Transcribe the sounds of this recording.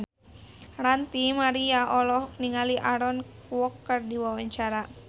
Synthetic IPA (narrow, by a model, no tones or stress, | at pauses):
rant̪imaɾiaʔɔlɔhniŋaliʔaɾɔnkuwɔkːərdiwawaɲt͡ʃaɾa